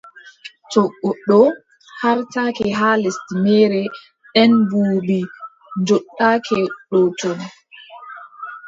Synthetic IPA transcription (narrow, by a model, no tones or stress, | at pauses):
t͡ʃɔɡːɔɗɔ | haɾtakɛɦaːlestimɛːɾɛ | ɗɛnbuːbi | ɲd͡ʒɔɗːakʰɛɗɔt͡ʃɔn